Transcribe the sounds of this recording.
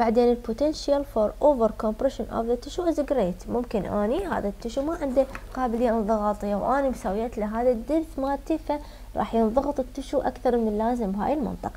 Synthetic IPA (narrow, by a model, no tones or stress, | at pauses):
b̥aʕd̪eːnɪlpʊt̪ɛnʃjalfoɾˤʔoːvəɾkompɾɛʃɪnʔɔ̰vðat̪ːɪʃuʔɪzɪɡɾeːt̪mʊmkɪnʔa̰ːniha̰ːðat̪ːɪʃumaʕɪnd̪iqɑːbɪlɪjːaʔðˤɑɣɑːt̪ˤɨjːawʔaːnimsawjaːt̪laɦaːðad̪ːɪɾθmaːt̪ɪfa | ɾˤʔɑ̰ːħjɪnðˤɑɣɨt̪ˤɨt̪ːɪʃuʔa̰kθɑɾˤmɪnɪlːaːzɪmbɦa̰ːjɪlmɪ̰nt̪ˤɨqɑ̥